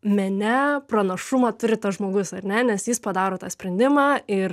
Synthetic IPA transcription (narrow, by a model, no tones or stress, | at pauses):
mʲɛnʲɛprɐnɐʃʊmɐːt̪ʊɾʲɪt̪ɐsʒmoːɡʊsɐɾʲnʲɛnʲɛsjɪspɐd̪ɑːɾoːt̪ɑːsʲpʲɾʲɛnʲd̪ʲɪmɑːɪr